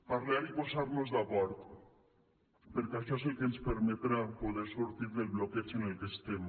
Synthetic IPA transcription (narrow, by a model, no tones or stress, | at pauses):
paɾleaɾiposaɾnozðaβɔɾt̪ | peɾkeaʃɔs̬ekenspeɾmet̪ɾapoðeɾsuɾt̪iɾðelβloket͡ʃinelk̪est̪em